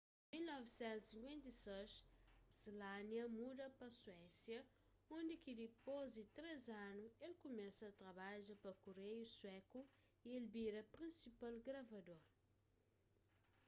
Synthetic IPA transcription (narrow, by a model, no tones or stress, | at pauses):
milnɔvsɛ̃nt̪usĩŋkwẽnt̪ɐseʃsilanjɐmud̪ɐpɐswɛsjɐ | õnd̪ɪkid̪ipozd̪ɪt̪ɾezanuelkumɛsɐːt̪ɾɐβaʒɐpɐkuɾejuswɛku | ielbiɾɐpɾĩsipalɡɾɐvɐd̪oɾ